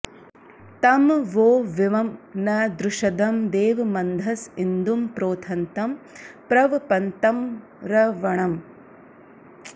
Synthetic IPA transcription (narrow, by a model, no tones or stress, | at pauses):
t̪ɐmʋoːʋiʋɐmnɐd̪ɾuʂɐd̪ɐmd̪eːʋɐmɐnd̪ʱɐsind̪umpɾoːt̪ʰɐnt̪ɐmpɾɐʋɐpɐnt̪ɐm | ɾɐʋɐɳɐm